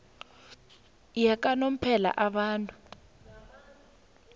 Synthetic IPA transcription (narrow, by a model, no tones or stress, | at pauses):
jak̬ʼanom̩pʰɛla̰ʔaɓaːntʼu̥